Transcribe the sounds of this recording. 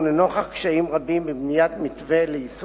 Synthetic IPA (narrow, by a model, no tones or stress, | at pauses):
nenoχaχkʃaimʁabimbibnijat̪mit̪veleis